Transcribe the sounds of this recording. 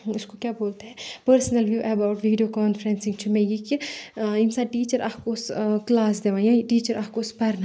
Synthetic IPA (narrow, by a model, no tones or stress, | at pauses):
ʊskokjaːboːlt̪aɦɛpəɾsnəlʋjuːʔɛbaːʊʈʋiːɖijoːkaːnfʰɾɛ̃nsɪ̃ŋɡt͡ʃʰumɛ̃ːjikiɪnsaːʈiːt͡ʃəɾʔaːkkosklaːsd̪eːʋãːjãʈiːt͡ʃəɾʔaːkkospɐɾna